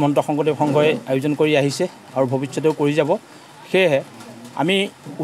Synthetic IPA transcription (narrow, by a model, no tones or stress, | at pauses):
mɔntɔxɔŋɡɔdexʰɔŋɡɔɹɛajʊzɔnkoɹiaɦisɛ | aɹubʱobisːɔteʊkoɹizabɔ | xeɦɛa̰miu